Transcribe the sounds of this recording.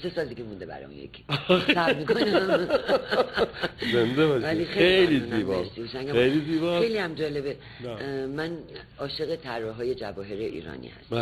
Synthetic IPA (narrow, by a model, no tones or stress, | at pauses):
sesɒːld̪iɡʲemũnd̪ebæ̰ɾɛ̰ṵnjḛkʰi̥sæbmikonæm | zend̪ebɒʃvælixejeijliziːbɒst̪ihosæŋɡæmejliziːbɒe̞jliæmd͡ʒɒlebe | mæn | ɒːʃe̞ɣet̪ʰærːɒɦɒːje̞d͡ʒævɒːɦe̞ɾeʔḭːɾɒ̰ːnḭːhæ̰st̪